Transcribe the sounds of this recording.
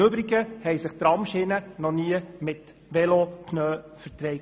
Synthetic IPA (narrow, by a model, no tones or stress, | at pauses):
ɵbɾiɡəhɛjsəχt̪ɾɑmʃɪnənɔniəmɪt | ʋɛlopʰnøːfəɾt̪ɾɛɪ